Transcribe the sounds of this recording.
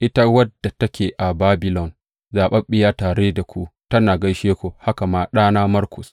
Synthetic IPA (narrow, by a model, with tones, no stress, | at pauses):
ʔɪ˦ta˦wɐ˦dːa˨tɐ˦kʲeː˨ʔa˨baː˦bɪ˨lɔ˨n | zaː˨ɓɐ˦mɓɪ˦jaː˦taː˨ɽeː˦da˨kʷu˦ʔtɐ˦naː˨ɡɐ˦jʃeː˦kʷo˨ha˦ka˨maː˦ɗaː˦naː˦mɐ˦rkʷʊ˨s